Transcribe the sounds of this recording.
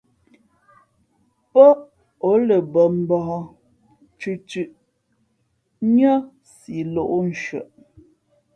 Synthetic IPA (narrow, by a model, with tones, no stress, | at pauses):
pɔ˦ʔ | o˨˦lə˨bə˨m̩˦bɔ˨ɔ˦ | t͡ʃʉ˨t͡ʃʉ˨ʔ | ɲə˦ | si˨lo˦˨ʔo˦n̩˨ʃɥə̰˨ʔ